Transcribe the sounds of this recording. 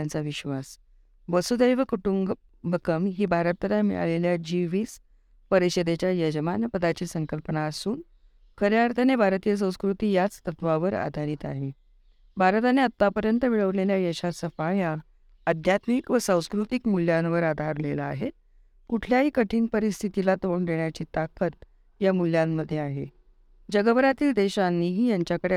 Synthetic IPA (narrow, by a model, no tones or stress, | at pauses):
ant͡saʋiɕʋas | ʋəsud̪ejʋəkuʈuŋɡ | bʱəkəmɦiːbʱaɾət̪ːlamḭɭa̰leljad͡ʑiʋiːs | pəɾiɕəd̪et͡ɕjajəd͡ʑəmanpəd̪at͡ɕiːsəŋkəlpənaːsuːn | kʰəɾjaɾt̪ʰanebʱaɾt̪ijəs̬ə̃w̃skɾut̪iːjat͡st̪ət̪ʋaʋəɾa̰d̪ʱaɾiːt̪a̰ɦe | bʱaɾt̪aneət̪ːapəɾjənt̪əʋiɭəʋleljajəɕasəfaja | əd̪ʱjat̪mikʋəsãw̃skɾut̪ikmuljanʋəɾad̪ʱaɾlelaaɦe | kuʈʰljaɦiːkəʈʰiːnpəɾist̪ʰit̪ilat̪oɳd̪eɳjat͡ɕiːt̪akət̪̚ | jamul̤jamːəd̪ʱːjeaɦḛ | d͡ʑəɡəbəɾat̪iːld̪eɕanːiɦiːjaɲt͡ɕjakəɽe